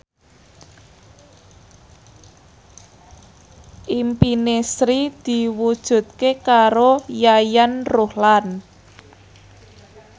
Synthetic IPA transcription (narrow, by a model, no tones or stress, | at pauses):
ʔimpinesɾid̪̥i̤wud̥ʒ̥ṳt̪̚kekaɾojajanrohlan